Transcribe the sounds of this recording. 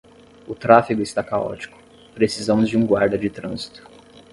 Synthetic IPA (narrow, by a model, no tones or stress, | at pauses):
ʊt̪ɾafiɡʊɪst̪akaɔ̰t͡ʃi̥kʊ̥ | pɾesizɐ̃mʊzd͡ʒɪũɡwaɾd̪ɐd͡ʒɪt̪ɾɐ̃zit̪ʊ̥